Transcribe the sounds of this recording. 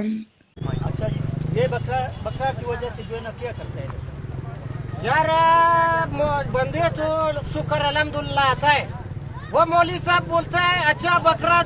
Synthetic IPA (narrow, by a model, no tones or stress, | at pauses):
ɐ̰t͡ʃʰajebɐkʰɾabɐkʰɾakiʋɐd͡ʒased͡ʒoenakakɐɾt̪aeet̪a | jaːɾa | mobɐnd̪et̪oʃʊkəɾɐlɐmd̪ulːaːt̪aeʋomoːlisaːb̚ːoːlt̪aeɐtːʃʰabɐkʰɾa